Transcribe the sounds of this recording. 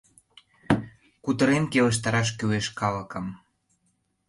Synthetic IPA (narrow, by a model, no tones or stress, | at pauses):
kut̪ə̆ɾenkelə̆ʃ̬t̪ɑɾɑʃ̬kyweʃkɑlə̆kɤm